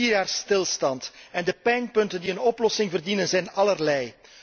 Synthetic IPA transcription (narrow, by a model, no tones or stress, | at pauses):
iːrjaːrstɪlˠstɑntɛndəpɛjnpɵntəndiənɔplɔsɪŋvərdinənzɛjnɑlərlɛj